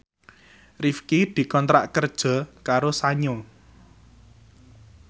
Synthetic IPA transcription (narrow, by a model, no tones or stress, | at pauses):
rifkid̪̥i̤kɔnt̪ɾa̰ʔkərd̥ʒ̥ɔ̤kaɾosaɲo